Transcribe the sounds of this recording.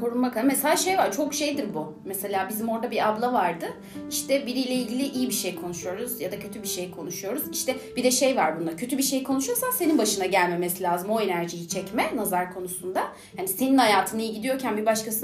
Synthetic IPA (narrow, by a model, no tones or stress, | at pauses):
kʰo̞ɾunmakameselaʃe̞jvaɾt͡ʃʰo̞kʃe̞jd̪iɾbu | mese̞lʲaːbizimo̞ɾd̪abiablˠavaɾd̪ɯ | iʃt̪ʰɛbiɾijlʲɛilʲɟʲilʲiʔijibiʃe̞jkʰo̞nuʃujo̞ɾuzjad̪acʰø̞t̪ʰybiʃe̞jkʰo̞nuʃujo̞ɾuziʃt̪ʰɛbid̪ɛʃejvaɾbund̪acʰø̞t̪ʰybiʃe̞jkʰo̞nuʃuɾsanse̞ninbaʃɯnaɟælʲme̞mesilʲaːzɯmo̞e̞næɾʒijit͡ʃʰɛcmɛnazaɾkʰo̞nusund̪a | hanise̞ninhajaːt̪ʰɯnɯɟid̪ijo̞ɾcʰænbibaʃkasɯ